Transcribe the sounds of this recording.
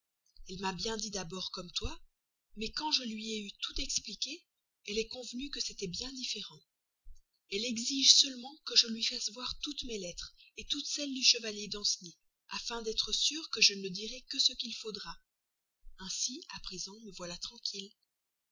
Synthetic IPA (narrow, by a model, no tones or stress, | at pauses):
ɛlmabjɛ̃d̪id̪abɔʁkɔmt̪wa | mɛkɑ̃ʒəlɥiɛyt̪ut̪ɛksplikʲe | ɛlɛkɔ̃vnykəset̪ɛbjɛ̃d̪ifeʁɑ̃ | ɛlɛɡziʒsəlmɑ̃kəʒəlɥifasvwaʁt̪ut̪mɛlɛt̪χet̪ut̪sɛld̪yʃəvaljed̪ɑ̃sni | afɛ̃d̪ɛt̪χəsyʁkəʒənəd̪iʁɛkəsəkʲilfod̪ʁa | ɛ̃siapχezɑ̃məvwalat̪χɑ̃kʲʰil